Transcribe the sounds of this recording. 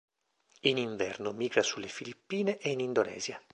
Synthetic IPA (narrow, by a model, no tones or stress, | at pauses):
iniɱvɛrnomiːɡɾasulːefilipːiːneʔeinind̪onɛ̰ːzja